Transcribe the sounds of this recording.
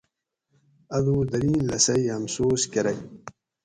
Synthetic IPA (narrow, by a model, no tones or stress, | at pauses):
ɐðuːd̪ɐɾiːnlɐsɐjɐmsoːskɐɾɐj